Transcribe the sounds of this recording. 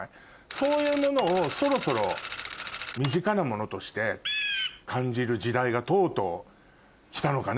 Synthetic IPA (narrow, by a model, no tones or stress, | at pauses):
so̞ːjɯ̟ːmo̞no̞ːso̞ɾo̞so̞ɾo̞ | mʲiʑikanamo̞no̞t̪o̞ɕi̥t̪e̞ | kʰãɲ̟d͡ʑiɾɯ̟d͡ʑid̪aiɡat̪o̞ːt̪o̞ | kʲi̥t̪ano̞kan